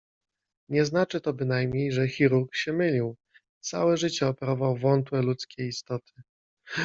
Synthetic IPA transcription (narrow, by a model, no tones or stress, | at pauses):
ɲɛznat͡ʂɘt̪ɔbɘnajmɲejʐɛxʲiɾuɾkɕɛmɘlʲiw | t̪sawɛʐɘt͡ɕɛɔpɛɾɔvawvɔnt̪wɛlut̪skʲejist̪ɔt̪ʰɘ̥